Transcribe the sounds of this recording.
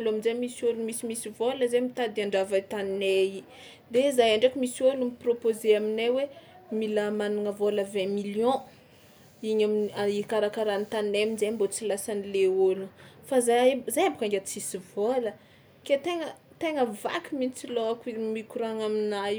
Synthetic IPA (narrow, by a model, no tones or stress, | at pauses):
aloaminzemisolumisimisivoləzemit̪ad̪iaɳɖ͡ʐavat̪anei | d̪ezajaɳɖ͡ʐakimisiolumipropozeaminewe | milamanuŋəvoləvɛ̃miljɔ̃ | iɲamiaikaɾakaɾanit̪anemizembot͡silasanileolufazazajambukaŋɡʲat͡sisivolə | ket̪eŋə | t̪eŋəva̰kiminit͡siloakimikuɾaŋaminaj